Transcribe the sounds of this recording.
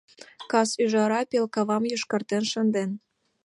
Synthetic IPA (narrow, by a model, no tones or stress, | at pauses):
kɑsyʒɑɾɑpelkɑβɑmjuʃkɤ̆rt̪enʃə̆nd̪en